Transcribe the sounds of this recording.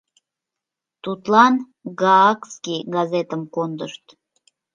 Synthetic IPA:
t̪ut̪lɑn | ɡɑɑkskiɡɑzet̪əmkond̪əʃt̪

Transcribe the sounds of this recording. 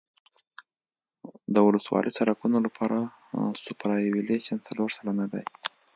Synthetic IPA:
d̪əwʊləswɑ̰lʔit͡saɾakunolapʰɑɾa | sʊpɾɑjwileʃant͡saloɾsalanad̪a̰j

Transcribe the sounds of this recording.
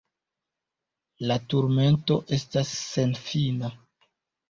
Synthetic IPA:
latuɾme̞nto̞ʔe̞stasːe̞nfina

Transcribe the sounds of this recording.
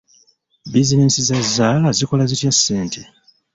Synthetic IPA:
bizinesizazːaːlaziko̞lazitjasːe̞ːntʰe

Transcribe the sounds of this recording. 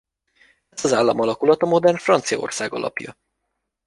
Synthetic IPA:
ɛzɒzaːlːɒmɒlɒkulɒt̪ɒmo̞d̪ɛrnfrɒnt̪sijɒo̞̰rsaːɡɒ̰lʔɒ̰pjɒ̰

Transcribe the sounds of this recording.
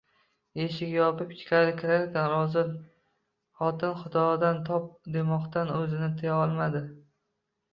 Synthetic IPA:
e̞ʃɪkʲjɒpɪp̚t͡ʃʲʰɪ̥kʲaɾɪkʲʰɪɾaɾkʲanɾɒzɪɾ | χɒt̪ʰɪnχʊd̪ɒd̪ant̪ʰɒp̚d̪e̞mɒqt̪ʰanɵzɪnɪt̪ʰɪjaɒlˠmad̪ɪ

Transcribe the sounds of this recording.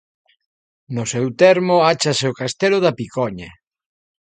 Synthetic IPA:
nʊsewt̪ɛɾmoat͡ʃaseokast̪elʊðapikɔɲa

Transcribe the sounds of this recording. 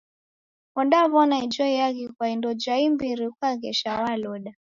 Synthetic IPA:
ɔnɗaβɔnaid͡ʒɔiaɣikwaindɔd͡ʒaimbiɾikwaɣɛʃawalɔɗa

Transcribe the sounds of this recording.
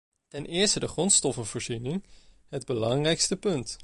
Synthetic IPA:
tɛnʔɪːɹstədəχrɔntstɔfənvʊːɹzinɪŋ | ɦəd̚bəlɑŋrɛjkstəpɵnt

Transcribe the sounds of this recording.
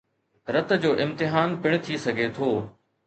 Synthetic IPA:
ɾɐt̪d͡ʑoːʔɪ̃mt̪ɪɦaːnpɪɽ̃t̪ʰisɐɡʱet̪ʰoː

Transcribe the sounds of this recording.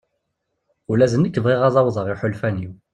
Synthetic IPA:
ulæzənːikːəvʁiʁɑzˤɑwðˤəʁiħʊlfæniw

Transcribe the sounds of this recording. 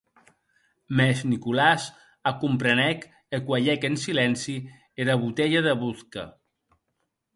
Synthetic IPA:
mɛʃnikulaz | akumpɾenɛk | ekwaʎɛkensilɛnsi | eɾaβut̪eʎaðəβuθka̰

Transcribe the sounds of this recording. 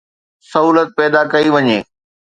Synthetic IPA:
sɐɦuːlət̪̚pɛːd̪akɐiʋɐɲeː

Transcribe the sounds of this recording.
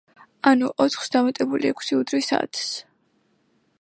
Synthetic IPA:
anuʔɔt̪ʰχsd̪amat̪ʼɛbuliɛkʷʰsiud̪ɾwisa̰ːt̪ʰs

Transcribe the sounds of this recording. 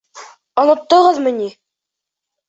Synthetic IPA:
ɒnɤ̆t̪ːɤ̆ʁɤðmɤ̆ni

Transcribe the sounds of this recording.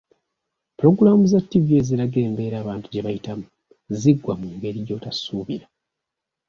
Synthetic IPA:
pulo̞ɡuɾamuzatːivjeziɾaɡe̞ːmbe̞ːɾaːβaːntuɟe̞βajitamu | ziɡwamuŋɡe̞ɾijo̞ːtasuːβiɾa

